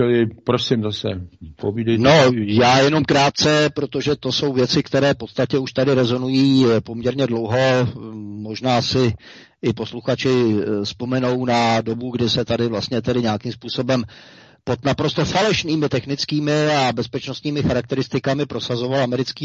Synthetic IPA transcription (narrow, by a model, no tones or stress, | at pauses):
ɛlɪpɾosimzasɛ̰povidɛno̞jaːjɛno̞mkɾaːt̪̚t͡sɛpɾot̪o̞ʒɛt̪o̞so̞wvjɛt͡sɪkt̪ɛɾɛːfpo̞t̪st̪acɛuʃt̪adɪɾɛzo̞nujiːpo̞mɲɛɾɲɛdlo̞wɦo̞ | mo̞ʒnaːsɪ | ʔɪpo̞sluxat͡ʃɪspo̞mɛno̞wnado̞buɡdɪsɛt̪adɪvlast̪̚ɲɛt̪ɛdɪɲaakimspuːso̞bɛm | po̞t̪napɾo̞st̪o̞falɛʃniːmɪt̪ɛxnɪt͡skiːmɪabɛspɛt͡ʃnost̪ɲiːmɪxaɾak̚t̪ɛɾɪst̪ɪkamɪpɾo̞sazo̞valamɛɾɪt͡skiː